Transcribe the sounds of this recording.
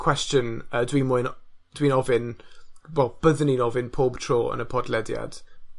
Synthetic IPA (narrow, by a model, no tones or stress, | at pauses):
kʰw̥ɛst͡ʃə̃nədwĩːnmoɪnd̥wĩːnɔvɪnwɛlˠb̥əðəninɔvɪnpʰɔːbtʰɹ̥ɔːə̰̃nəpʰɔdlɛdja̰d̥